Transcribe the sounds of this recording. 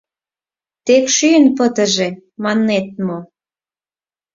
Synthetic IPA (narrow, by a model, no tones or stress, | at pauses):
t̪ekʃyənpət̪ə̆ʒe | mɑnːet̪̚mo